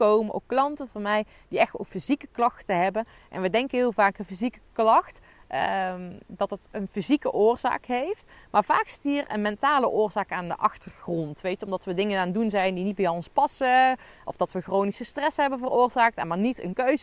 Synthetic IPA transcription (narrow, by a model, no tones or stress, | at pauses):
kowməʔo̰kːlɑntəvɑnmɛj | d̥iɛxto̰kfizikəklɑxtəɦɛbən | ʔɛ̰nʋədɛŋkəɦɪːlˠvaːkənfizikəklɑxt | dɑtɦətənfizikəʔʊːrz̥a̰ːkɦejftmaːɹv̥aːksɪ̥tɦiːrə̰nmɛntaːləʔʊːrzaːkaːndəʔɑxtərxrɔntʋejtɔmdɑtʋədɪŋənaːndunzɛjndinid̚bɛjɔnspɑsə | ʔɔ̰fd̥ɑtʋəxrownisəstrɛsɦɛbənvərʊːrzaːk̚tɛmaːɹnitə̰nkøɥz